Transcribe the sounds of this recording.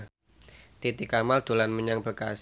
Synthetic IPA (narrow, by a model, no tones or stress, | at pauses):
t̪it̪ikamald̪̥o̤lanməɲaŋb̥əkas